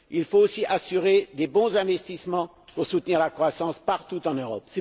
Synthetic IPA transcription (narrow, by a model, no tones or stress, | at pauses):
ilfoosiʔasyʁed̪ebɔ̃zɛ̃vɛst̪ismɑ̃ | puʁsut̪niʁlakχwasɑ̃spaʁt̪ut̪ɑ̃nøʁɔ̰psɛ